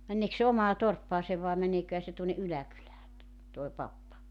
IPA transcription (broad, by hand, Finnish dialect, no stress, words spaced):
mænːeːks se omɑː torpːɑːseʋ ʋɑe mæneːkøhæ se tuonːe ʔylækylæː toe pɑpːɑ